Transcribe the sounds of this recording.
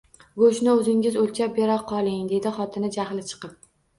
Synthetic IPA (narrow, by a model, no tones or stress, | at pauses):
ɡoʃnɪɵzɪŋʲɪzolʲt͡ʃʰap̚beɾaqʰɒlˠɪŋd̪e̞d̪ɪχɒt̪ʰɪnɪd͡ʒahlɪt͡ʃʰɨ̥qɨp̚